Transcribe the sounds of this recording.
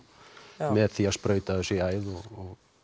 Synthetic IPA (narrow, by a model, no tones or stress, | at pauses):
mɛðθiaspɾœːɥt̪asiajðɔɔ